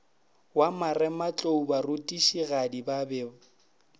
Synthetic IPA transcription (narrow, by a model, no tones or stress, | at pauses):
wamarɛmat͡ɬʼoubarʊtʼiʃiɣadibabɛ